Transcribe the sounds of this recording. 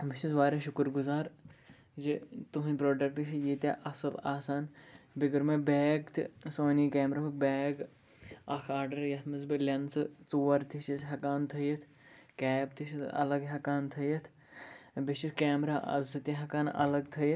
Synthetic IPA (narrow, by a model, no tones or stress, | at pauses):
bit͡ʃizʋaːɾeʃʊkɾɡuzaːɾ | d͡ʒit̪uɦɐnʲpɾoːɖɐkʈiʃijit̪ʲaːʔɐsɨlaːsaːnbiɡɐɾmebeːɡt̪ʰḭsoːniːkɛːmɾaːpɐk̚beːɡ | ɐkʰaːɾɖɐɾjɐt̪ʰmɐzbilʲɐnsɨt͡suːɐɾt̪ʰit͡ʃisɦɐkaːnt̪ʰɐjɐt̪ʰ | kɛːbt̪ʰiʃʰiɐ̰lɐɡɦɐkaːnt̪ʰɐjɐt̪ʰ | bit͡ʃiskɛːmɾaːʔɐ̰zɨt̪iɦɐkaːnɐ̰lɐɡt̪ʰɐjɐ